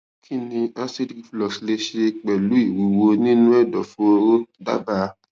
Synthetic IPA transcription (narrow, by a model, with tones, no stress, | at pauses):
kʰi˦nĩ˧a˦si˦di˨ki˨flɔ˨si˨le˧ʃe˧k͡pɛ˨lu˨˦i˦˨wu˨˦wo˧nĩ˦nũ˦ɛ˦˨dɔ˨fuo˦o˧˦ɾo˦da̰˦ba˦˧